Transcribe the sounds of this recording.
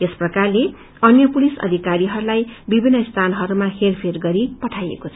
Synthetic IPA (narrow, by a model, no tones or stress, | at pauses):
esprʌkarle | ʌnjʌpulisʌ̰d̪ʱikaɾiɦʌɾulajbibʱinːʌist̪ʰanʌɦʌɾumaherpʰerɡʌɾipʌʈʰajḛkot͡sʰ